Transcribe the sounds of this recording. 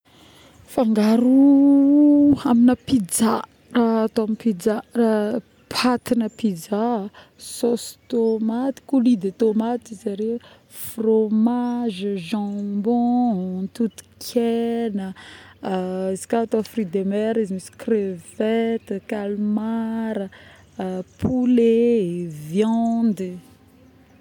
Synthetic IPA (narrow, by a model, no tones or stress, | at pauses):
faŋɡaɾu | aminəpid͡ʒa | raat̪oamipid͡zara | pʰat̪inəpid͡za | sost̪omat̪i̥kulid̪et̪omat̪izaɾe | fromaʒʒɑ̃mbɔ̃t̪ut̪u̥kʲʰɛnə | izi̥kat̪afrid̪emɛɾizimisi̥krevɛt̪kalmaɾə | pʰulevjɑnd̪i